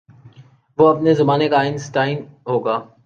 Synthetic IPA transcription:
ʋoɐpnezɐmaːnekaːɪnsʈaːɪnɦoːɡaː

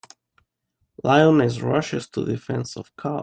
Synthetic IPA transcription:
laɪɔ̃nɪzɹʌʃɨstʰṵðɪfɛ̃nsɔ̰v̥kʰɑ

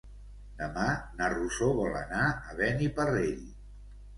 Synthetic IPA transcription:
d̪əmanarusoβɔlə̰naəβɛnipəreʎ

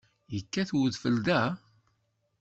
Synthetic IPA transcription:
jəkːæθwəðfəld̪æ

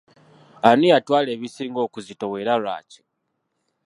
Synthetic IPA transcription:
anujatwaːle̞ːβisiːŋɡo̞ːkuzito̞we̞ɾala̰ːci̥

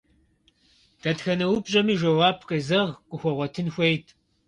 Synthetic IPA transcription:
d̥ɐtxɐnɐwʊbʑʼɐmiːʒɐwaːpʰqʼɐzɐʁkʷʼʊxʷɔʁʷɔtʰɨnxʷejtʰ

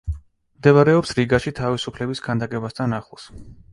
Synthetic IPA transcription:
md̪ɛvaɾɛɔpsɾiɡaʃit̪ʰavisupʰlɛbiskʰand̪akʼɛbast̪ʰanaχˠs

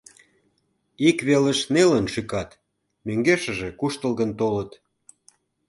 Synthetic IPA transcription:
ikβelə̆ʃnelənʃykɑt̪ | møŋɡeʃə̆ʒĕkuʃt̪əlɣənt̪olət̪

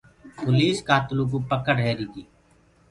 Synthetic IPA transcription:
pʊliːskaːt̪luːk̬uːpəkəɽɦeːɾiːd̪iː

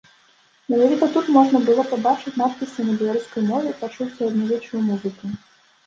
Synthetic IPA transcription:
mʲɛnavʲit̪ɐt̪ut̪mɔʐnɐbɨlˠɔpɐbat͡ʂɨt͡sʲnat̪̚pʲisʲɐnɐbʲɛlˠɐɾuskɐjmɔvʲɛipat͡ʂuwsʲɐɐd̪navʲɛt͡ʂʊjumuzɨku

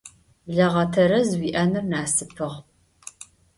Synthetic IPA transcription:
bɮɐʁɐtʰɐɾɐzwiːʔɐnɨrnaːsɨpʰɨʁ

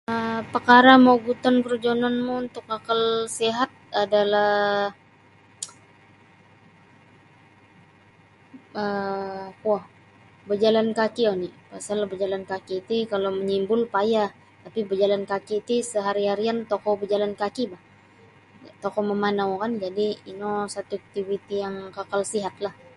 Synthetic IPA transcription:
əpəkaɾamawɡut̪ɔnkərd͡ʒonanmuunt̪ʊkakalseɦat̪̚adala | ə | uah | bəd͡ʒalankakionipasalbəd͡ʒalankakiːt̪ikaloməɲimbʊlpaja | t̪apibəd͡ʒalankakiːt̪isəɦaɾiɦaɾiant̪okɔbəd͡ʒalankakibah | t̪okɔməmanawkand͡ʒadiːnosat̪uk̚t̪ivit̪ijaŋkakalsiɦat̪̚lah

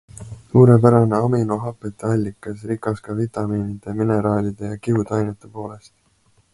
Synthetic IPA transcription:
suːɾe̞pæɾɑne̞ɑminoɦɑpːˑet̪ːˑeɑlʲːikːˑɑsɾikːˑɑskɑvit̪ɑmiːnid̪̥e̞mineɾɑːlʲid̪̥e̞jɑkiud̪̥ɑjnet̪ːˑe̞po̞ːle̞st̪

